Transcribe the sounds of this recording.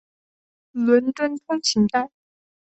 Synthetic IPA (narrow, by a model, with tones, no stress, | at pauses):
lwə˧˥nʈ͡ʂwə˥nt̪ʰʊ˥ŋt͡ɕʰi˧˥ŋt̪a˥˩n